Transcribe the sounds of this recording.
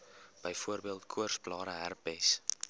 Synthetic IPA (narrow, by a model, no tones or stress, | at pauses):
b̥əjfuərbiəlˠtkʰuərsplɑːɾəɦærpɛjs